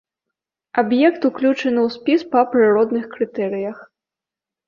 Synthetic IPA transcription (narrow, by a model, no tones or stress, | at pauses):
abjɛkt̪uklʲut͡ʂɐnɨwspʲispɐpɾɨɾɔd̪nɨxkɾɨt̪ɛɾɨjɐx